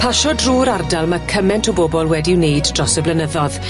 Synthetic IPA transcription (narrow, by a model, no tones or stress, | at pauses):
pʰaʃɔdruːɾardalˠmakʰəmɛntʰɔboːbɔlˠwɛdɪwneɨdd̥rɔsəblənəðɔð